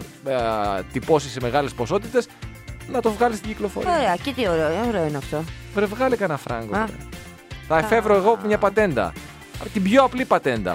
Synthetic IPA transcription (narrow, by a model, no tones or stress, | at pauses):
t̪ipo̞siseme̞ɣɐle̞spo̞so̞t̪it̪e̞s | nɐt̪o̞vɣɐlist̪iɟiklo̞fo̰ɾioɾeɐcet̪ioɾeooɾeoinɐft̪o | vɾevɣɐlikɐnɐfɾʔɐ̰ŋɡo̰d̪ḛ | θɐefe̞vɾoeɣomɲɐpɐt̪e̞nd̪ɐ̰ | t̪ibʝo̞ɐplipɐt̪e̞nd̪ɐ̰